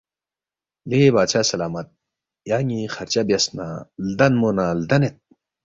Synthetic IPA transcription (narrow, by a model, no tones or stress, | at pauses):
lebaːɕʰasɐlaːmɐt̪̚ | jaːŋixɐɾt͡ɕɐbjɐsna̰ld̪ɐnmonald̪ɐnet̪̚